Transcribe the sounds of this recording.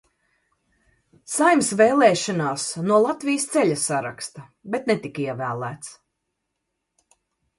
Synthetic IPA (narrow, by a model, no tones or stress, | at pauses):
sajmsvɛːlˠɛːʃɔnaːsnuɔlˠat̪vijst̪sɛʎʲasːaɾa̰kst̪a | bet̪̚nɛt̪ikiɛvæːlˠæ̰ːt̪s